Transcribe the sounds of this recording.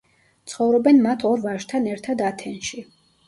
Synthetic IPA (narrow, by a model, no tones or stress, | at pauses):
t̪sʰχɔvɾɔbɛnmat̪ʰɔɾvaʃt̪ʰanɛɾt̪ʰad̪at̪ʰɛnʃi